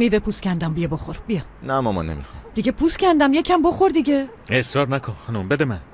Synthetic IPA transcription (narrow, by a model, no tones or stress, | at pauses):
mivepʰuscʰʲænd̪æmbijeboxoɾbijɒmnæmɒmɒ̰nemḭxɑmd̪̥iɡepʰuːscʰænd̪æmjecʰæmboχoɾd̪iɟe | esɾɒːɾnækʰonxɑnumbed̪emæn